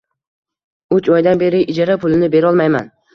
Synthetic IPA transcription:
ʊt͡ʃɒjd̪anbe̞ɾɪʔɪd͡ʒaɾapʰʊlɪnɪbe̞ɾɒlˠmajman

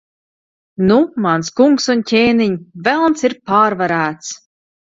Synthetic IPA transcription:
numanskuŋksuncʲeːniɲvɛlˠnsiɾpaːɾvaɾæːt̪s

